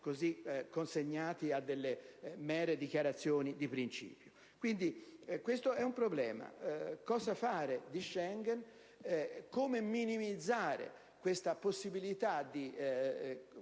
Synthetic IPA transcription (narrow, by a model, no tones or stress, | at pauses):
kozikːonseɲːaːt̪iad̪ːelːemɛːɾed̪ikjaɾat̪sːjoːnid̪ipɾint͡ʃḭːpjo | kwind̪ikwest̪oɛumpɾoblɛːma̰kɔːzafaːɾed̪iʃːɛŋɡɛn | koːmeminimid̪zːaːɾḛ | kwest̪aposːibilit̪ad̪i